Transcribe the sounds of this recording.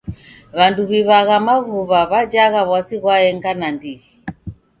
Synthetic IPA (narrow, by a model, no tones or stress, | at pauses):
βanduβiβaɣamaɣuβaβad͡ʒaɣaβwasiɣwaɛŋɡanandiɣi